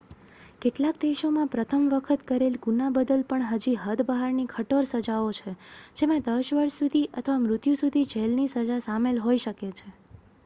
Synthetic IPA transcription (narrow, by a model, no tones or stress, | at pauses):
keʈlak̚d̪eʃomãpɾət̪ʰəmʋəkʰət̪kəɾelɡunabəd̪əlpəɳɦəd͡ʒiɦəd̪bəɦaɾnikʰəʈoɾsəd͡ʒaot͡ʃʰed͡ʒemãd̪əʃʋəɾʃsud̪ʱiʔə̰t̪ʰəʋamɾʊt̪jũsud̪ʱid͡ʒʱelnisəd͡ʒasamelɦoiʃəket͡ʃʰe